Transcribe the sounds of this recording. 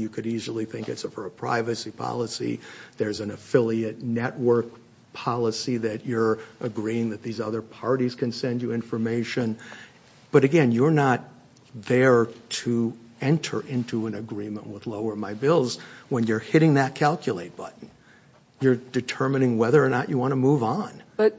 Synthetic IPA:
jɨkʰɨɾizl̩ˠiθɪ̃ŋkɨtsfə˞əpʰɹ̥a̰ɪvɨsipʰɑ̰lˠəsḭðə˞z̃nɨfɪlˠiɨtnɛʔ̚wɜ˞k̚ | pʰɑlˠəsiðɨt͡ʃə˞ʔɨɡɹiɪ̃ŋðɨt̪̚ðizʌðə˞pʰɑɹɾiz̥kʰɨ̃nsɛ̃nd͡ʒɨɪ̃ɱfə˞meɪʃɨ̃n | b̥ʌɾɨɡɛ̃njə˞nət̪̚ | ðə˞tʰɨ | ɛ̃ntʰə̰˞ʔɪ̃ntʰuɨ̃nɨɡɹĩmə̃nʔwəðloʊə˞maɪbɪlˠzwə̃njə˞hɪɾɪ̃ŋðɨt̚kʰælˠkʰjɨleɪt̚b̥ʌ̰ʔn̩ | jə˞dɨtʰɜ˞mɨnɪ̃ŋwɛðə˞ːnət͡ʃɨwɑ̃ɾ̃əmuvn̩b̥ʌt̚

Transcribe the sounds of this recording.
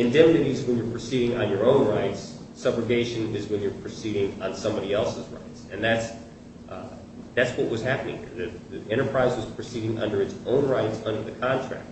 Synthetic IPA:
ɨ̃ndɛ̃mnɨɾizwə̃njə˞pʰɹ̥ɨsiɾɪ̃ŋə̃njə˞õʊ̃nɹaɪtsː | ʌbɹɨɡeɪʃɨ̃nɪzwɨ̃njə˞pʰɹ̥ɨsiɾɪ̃ŋə̃nsʌ̃mbɑɾiɛlˠsəzɹa̰ɪtsɨ̃nðæts | ðætswʌʔ̚wʌz̥hæpənɪ̃ŋhɪ̰ɹðɨðɨɛ̃ɾ̃ə˞pʰɹ̥aɪzwʌz̥pʰɹ̥ɨsiɾɪ̃ŋʔʌ̰̃ndə˞ɨtsõʊ̃nɹaɪtsʌ̃ndə˞ðɨkʰɑ̃ntʰɹ̥æ̰k̚t̚

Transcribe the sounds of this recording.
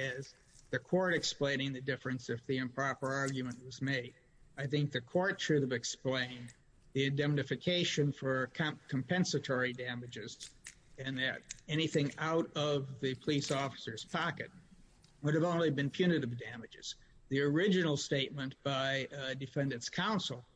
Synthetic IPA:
ɪz | ðɨkʰɔɹɾɨksplẽɪ̃nɪ̃ŋðɨdɪfɹɨ̃nsɨfðiɨ̃mpʰɹ̥ɑpə˞ɑɹɡjɨmɨ̃nʔwʌzmeɪɾ | aɪθɪ̃ŋk̚ðɨkʰɔɹt̚ʰɹ̥ʉðɨvɨksplẽɪ̃n | ðiɨ̃dɛ̃mnɨfɨkʰeɪʃɨ̃nfə˞kʰkʰmpʰɛ̃nsɨtʰɔɹidæmɨd͡ʒɪz | ɨ̃nɨɾɛñiθɪ̃ŋaʊɾʌvðɨpʰəlisɔfə̥sə˞z̥pʰɑkɨ̰t̚ | wʊɾɨvõʊ̃nlibɨ̃npʰj̥ʉnɨɾɨvdæmɨd͡ʒɨz̥ | ðiə˞ɪd͡ʒɨnl̩ˠsteɪt̚mɨ̃nb̥aɪdɨfɛ̃ndɨ̃ntskʰãʊ̃nsl̩ˠ

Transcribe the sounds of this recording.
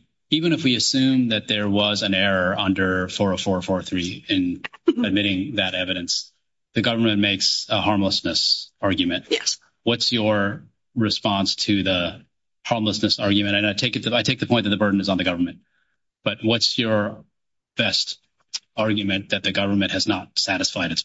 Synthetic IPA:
ivɨ̃ɾ̃ɨfwiɨsʉ̃mðɨt̪̚ðə˞wʌzɨ̃nɛɹəʌ̃ndə˞fɔɹəfɔɹəfɔɹθɹiɪ̃nɨd̚mɪɾɪ̃ŋðɨɾɛvɨɾɨ̃ns | ðɨɡʌvə˞mɨ̃nmeɪksəhɑɹmləsnɨsɑɹɡjɨmɨ̃nt̚ | wʌtsjə˞ | ɹɨspɑ̃nstʰɨðə | hɑɹmləsnɨsɑɹɡjɨmɨ̃ñɨ̃naɪtʰeɪkɨt̪̚ðɨaɪtʰeɪk̚ðɨpʰɔ̃ɪ̃ðɨt̪̚ðəbɜ˞dⁿn̩ɨzn̩ðɨɡʌvə˞mɨ̃n̚ | b̥ʌt̚wʌtsjə˞ | b̥ɛst | ɑɹɡjɨmɨ̃nðɨt̪̚ðɨɡʌvə˞mɨ̃nʔhɨznət̚sæɾɨsfaɪɾɨts

